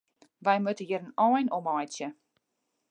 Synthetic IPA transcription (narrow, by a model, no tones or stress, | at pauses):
ʋɛjmøtəjiəɾənɔːjnɔmɔjt͡sjə